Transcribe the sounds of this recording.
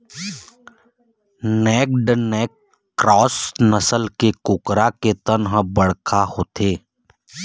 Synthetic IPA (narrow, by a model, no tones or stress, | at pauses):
nɛːk̚ɖnɛːkː | ɾɔːsnəsəlkekʊkɾaket̪ənɦəbəɽkʰahoːt̪ʰeː